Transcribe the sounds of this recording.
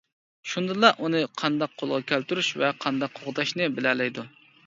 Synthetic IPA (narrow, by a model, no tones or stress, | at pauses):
ʃund̪ɨlˠɑʔunɨqʰɑnd̪ɑqʰːolˠʁɑkʲʰælt̪yɾyʃvɛqʰɑnd̪ɑqʰːoʁd̪ɑʃnɨbɪlɛlɛjd̪u